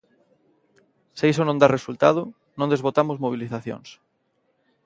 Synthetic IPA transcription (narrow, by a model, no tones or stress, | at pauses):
seisonõnd̪aresult̪að̞ʊ | nõnd̪ezβot̪amʊzmoβ̞iliθaθjo̰ŋs